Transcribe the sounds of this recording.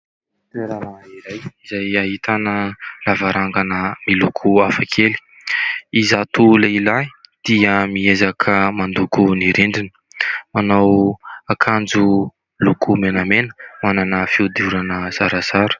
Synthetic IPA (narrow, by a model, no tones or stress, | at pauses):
t̪eɾaɾaiɾajizajaɦit̪ʰanəlavaɾaŋɡanəmilukʰuafakʰeli̥ | izat̪uleilaid̪̥iəmiezakʰəmand̪ukuniɾiɳɖ͡ʐinə̥ | manawakʰand͡zu | lukumenamenə̥mananəfiud̪iuɾanəz̥aɾazaɾu̥